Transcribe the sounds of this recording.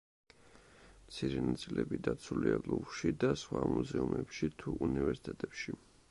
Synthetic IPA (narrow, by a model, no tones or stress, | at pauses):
mt̪sʰiɾɛnat̪sʼilɛbid̪at̪sʰuliaɡlˠuvʃid̪asχwamuzɛumɛpʃit̪ʰuʔunivɛɾsi̥t̪ʰʼɛt̪ʼɛpʃi